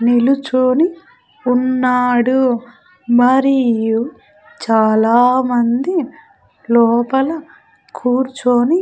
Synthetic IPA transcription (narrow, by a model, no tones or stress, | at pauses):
nilut͡ʃoːni | unːaːɽu | mɐɾiju | t͡ʃaːlaːmɐnd̪i | lɔːpɐlɐ | kʰuːɾt͡ʃoːni